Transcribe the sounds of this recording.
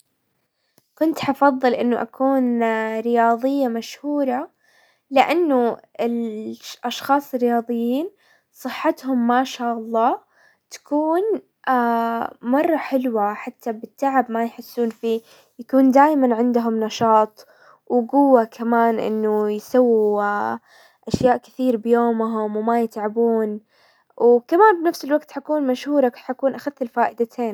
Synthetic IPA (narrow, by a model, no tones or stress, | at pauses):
kʊnt̪ħɑfɑðˤːɨlʔɪnːʊʔakʰuːnɾɪjɑːðˤɨjːamaʃhuːɾˤɑ | lɪʔanːʊɪlʔɑʃxɑːsˤɨrːɪjɑːðˤɨjːiːn | sˤɨħːat̪hʊmːaːʃaːʔɑlˤːɑː | t̪ḁkuːn | ʔamɑrˤːɑħɪlwaħat̪ːabɪt̪ːaʕabmajħɪsːuːnfiː | jakuːnd̪aːjmanʕɪnd̪ʊɦʊmnɑʃɑːt̪ˤ | wɡʊwːakʰamaːnʔɪ̰nːʊjsawːi | ʔaʃjaːʔkɪ̥θiːɾbɪjoːmɦʊmwmajɪt̪ʕabuːn | wkamaːnbnafsɪlwaɡt̪ħakuːnmaʃhuːɾˤɑkħakuːnʔaxaðːɪlfaːʔɪd̪at̪ʰeːn